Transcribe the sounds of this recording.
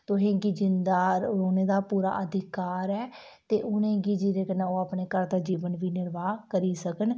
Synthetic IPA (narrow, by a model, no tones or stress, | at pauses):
t̪ʊɦẽːɡiːd͡ʒɪnd̪aːoːneːd̪aːpuːɾa̰ːʔəd̪ʱɪkaːɾɛː | t̪eːʔʊnẽːɡiːd͡ʒiɾeːkənãːoːaːpneːkəɾd̪aːd͡ʒiːʋənʋiːnɪɾʋaːkəɾiːsəkən